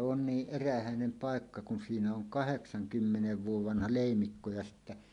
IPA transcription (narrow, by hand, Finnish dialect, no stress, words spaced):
on niːʔ ʔeræhæˑenem pɑˑekːɑ kun siːnæ oŋ kɑheksɑŋkymːeneʋ ʋuoʋ ʋɑnhɑ leˑimikːo jɑ sitːæ